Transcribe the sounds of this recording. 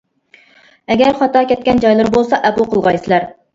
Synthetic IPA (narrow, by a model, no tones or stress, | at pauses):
ɛɡʲæɾχɑt̪ɑkʲɛt̪̚kʲɛnd͡ʒɑjlˠɨɾbolˠsɑʔɛpʊlˠqʰəlˠʁɑjsɨlæɾ